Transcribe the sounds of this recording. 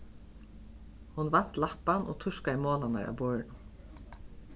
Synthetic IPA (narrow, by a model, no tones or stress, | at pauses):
hunvan̥t̪lahpanʔɔ̰t̪ʰʊʂkaɪmoːlana̰ɾʔa̰wbɔːɻ